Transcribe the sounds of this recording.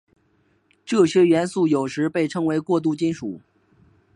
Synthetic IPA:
ʈ͡ʂɤ˥˩ɕɥɛ˥ɥɛ˧˥nsu˥˩jo˨˩ʊʂɻ̩˧˥pe˥˩ɪʈ͡ʂʰɤ˧˥ŋwe˧˥ɪkwɔ˥˧t̪̬u˥˩t͡ɕi˥nʂu˨˩˦

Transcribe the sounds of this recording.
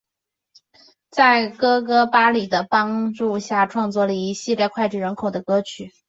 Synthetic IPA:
t͡sa˥˩ɪkɤ˥k̬ɤ˥pa˥li˨˩d̪ə˦pɑ˥ŋʈ͡ʂu˥˧ɕja˥˩ʈ͡ʂʰwɑ˥˧ŋt͡swɔ˥˩lə˩i˧˥ɕi˥˧ljɛ˥˧kʰwa˥˧ɪʈ͡ʂɻ̩˥˩ɻə˧˥nkʰo˨˩ʊd̪ə˦kɤ˥t͡ɕʰy˨˩˦

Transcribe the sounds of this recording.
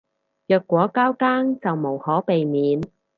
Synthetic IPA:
jœː˨˧kːʷɔː˨˥kaː˥wkaː˥ŋt͡sɐ˨wmo˨˩whɔː˨˥pe˨jmiː˨˥n

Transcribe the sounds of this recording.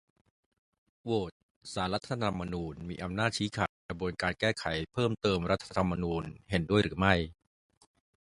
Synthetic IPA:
woː˨˩t̪̚ | saː˩˦nɾa˦˥t̪ʰːaː˧t̪ʰa˧mːa˧nuː˧nmiː˧ʔa˧mnaː˥˩t̪̚t͡ɕʰiː˦˥kʰaː˨˩t̪̚kɾa˧bu˧ənkaː˧nkɛː˥˩kʰa˩˦jpʰɤː˥˩mt̪ɤː˧mɾa˦˥t̪ʰːa˧t̪ʰa˧mːa˧nuː˧nhe˩˦ndu˥˩əjɾɯː˩˦ma˥˩j

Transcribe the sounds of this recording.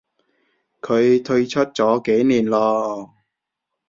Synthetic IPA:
kʰɵ˨˧ɥt̪ʰɵ˧ɥt͡ʃʰɵ˥t̚t͡sɔː˨˥ke˨˥jniː˨˩nlɔː˧

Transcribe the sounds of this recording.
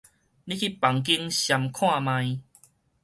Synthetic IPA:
lĩ˦kʰi˦pa˨˦ŋk̬i˦ŋɕja˨mkʰw̃ã˥˧˨mã˧j

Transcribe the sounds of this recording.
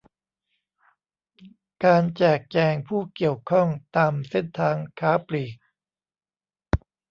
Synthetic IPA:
kaː˧nt͡ɕɛː˨˩k̚t͡ɕɛː˧ŋpʰuː˥˩ki˨˩əwkʰɔ˥˩ŋt̪aː˧mse˥˩nt̪ʰaː˧ŋkʰaː˦˥pliː˨˩k̚

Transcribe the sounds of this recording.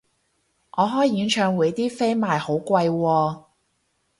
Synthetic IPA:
ʔɔː˨˧ɦɔː˨˥jjiː˨˥nt͡ʃʰœː˨˧˥ŋwuː˨˧jt̪iː˥fe˥jmaː˨˧jho˨˥wkʷwɐ˧jwɔː˧

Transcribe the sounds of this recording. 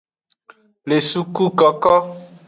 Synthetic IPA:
le˨su˦ku˦kɔ˨kɔ˦

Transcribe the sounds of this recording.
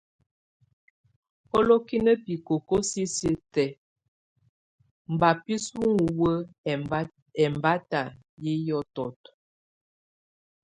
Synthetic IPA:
ɔ˦lo˦ki˦nə˦pi˨ko˨ko˦si˦si˦tɛ˨ | m̩˨ba˨pi˦su˦ŋu˨wə˦˨˦ | ɛ˨mba˦ta˨ | ji˦jɔ˦tɔ˨t

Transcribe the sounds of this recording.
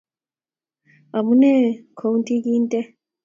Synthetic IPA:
a˨mu˦ne˦kʰo˨u˦nti˦ki˦nt̪e˦

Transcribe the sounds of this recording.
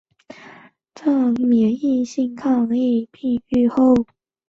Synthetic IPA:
ʈ͡ʂɑ˥˩mjɛ˧˥i˥˧ɕi˥˧ŋkʰɑ˥˧ŋli˥˧pʰi˥˧y˥˧xo˥˩ʊ

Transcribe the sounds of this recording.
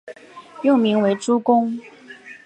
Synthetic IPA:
jo˥˩mi˧˥ŋwe˧˥ɪʈ͡ʂu˥kʊ˥ŋ

